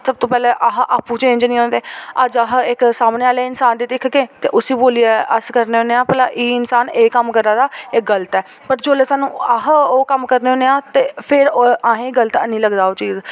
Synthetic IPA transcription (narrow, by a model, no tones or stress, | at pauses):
səb̚t̪oːpɛːleːʔaɦʔaːpuːt͡ʃẽnd͡ʒənĩːoːnd̪eːəd͡ʒəɦɪksaːmneːaːleːɪnsaːnd̪iːt̪ɪkʰɡẽːt̪ḛːʔʊsiːboːliaʔəskəɾneːɦõːneːãːpəlaːʔiːɪnsaːneːkəmkəɾaːd̪aːɪk̚ɡələt̪ɛː | pəɾd͡ʒoːleːsaːnːṵ̃ːaɦoːkəmkəɾneɦõːneːãːt̪eːpʰɪɾãːɦẽːɡələt̪ənĩːləɡd̪aːoːt͡ʃiːz